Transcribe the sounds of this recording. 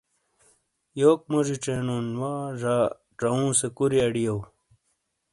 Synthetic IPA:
joːk̚moʐiʈ͡ʂenonwaːʐaː | ʈ͡ʂɐũːsekuɾiɐɽijɐw

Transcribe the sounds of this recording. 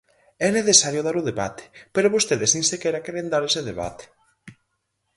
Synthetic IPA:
ɛneθesaɾjoðaɾʊðeβat̪ʰe̥peɾoβost̪eðɪsnĩnsekɛɾakɛɾend̪aɾeseðeβa̰t̪e̥

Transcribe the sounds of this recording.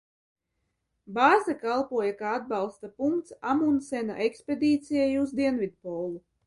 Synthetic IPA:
baːzakalˠpuɔjakaːad̪̚bɑlˠst̪apuŋkt̪samunsɛna̰ʔekspʲed̪iːt̪sʲijajuzd̪iɛnvʲid̪̚pɔːlˠu

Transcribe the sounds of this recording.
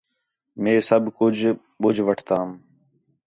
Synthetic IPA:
mẽːsəbʱkʊd͡ʒʱ | ɓʊd͡ʒʱʋəʈʰt̪aːm

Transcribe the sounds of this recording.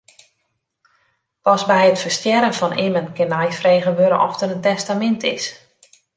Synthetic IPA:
pɔsbɛjətfərstjɛɾənfɔnɪmənkɪnajfreːɣəʋøɾə̰ʔɔ̰ftərəntɛstamɪntʰɪs

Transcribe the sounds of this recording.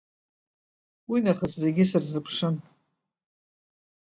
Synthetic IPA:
winaχaszeɡʲɪsɨrzɨpʰʂɨn

